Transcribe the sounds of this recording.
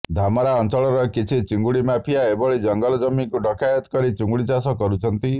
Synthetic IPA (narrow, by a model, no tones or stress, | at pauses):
d̪ʱamɔɾaɔnt͡ʃɔɭɔɾɔkit͡ʃʰit͡ʃiŋɡuɭimapʰijaebɔɭid͡ʒɔŋɡɔlɔd͡ʒɔmikuɖɔkʰajɔt̪kɔɾit͡ʃuŋɡuɭit͡ʃasɔkɔɾut͡ʃʰɔnt̪i